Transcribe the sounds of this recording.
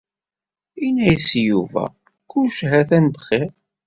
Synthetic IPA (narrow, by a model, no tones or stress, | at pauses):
inæjsjuvæ̰ | kuʃɦæθænbχeɾ